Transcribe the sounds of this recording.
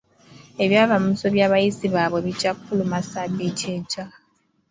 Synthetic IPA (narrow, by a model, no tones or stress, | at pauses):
eβjaːβamuso̞βjaːβajiziβaβweβid͡ʒakʰulumasabicʰet͡ʃa